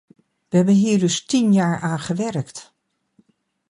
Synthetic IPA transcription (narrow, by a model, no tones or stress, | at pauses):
ʋəɦɛbənɦiːɹdɵstinjaːɹaːnχəʋɛrkt